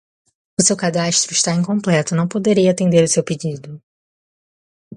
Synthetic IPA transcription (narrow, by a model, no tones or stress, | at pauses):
ʊsewkad̪ast̪ɾʊɪʃt̪aẽjkõmplɛt̪ʊnɐ̃w̃pod̪eɾiɐat̪ẽnd̪eɾʊsewped͡ʒid̪ʊ